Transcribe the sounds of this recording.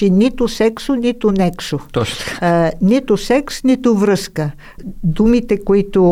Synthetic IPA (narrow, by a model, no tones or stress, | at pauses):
init̪ʊsɛksʊnit̪ʊnɛksot̪ɔt͡ʃ | nit̪ʊsɛksnit̪ʊvɾɤskə | d̪umit̪ɛkoit̪ʊ